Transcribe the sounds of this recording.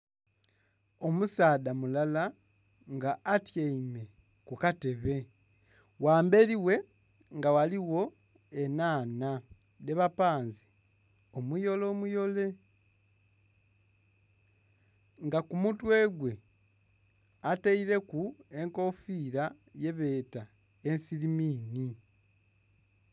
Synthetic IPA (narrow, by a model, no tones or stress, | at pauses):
o̞musaːdamulala | ŋɡaːtjeime̞ | kukate̞βe̞ | waːmbe̞ɾiwe̞ | ŋɡawaliwo̞ | e̞naːna | ne̞βapaːnzi | omujo̞lo̞ːmujo̞le̞ | ŋɡakumutwe̞ːɡwe̞ | ateiɾe̞kue̞ŋko̞fiɾa | je̞βe̞ːta | ensiɾimiːni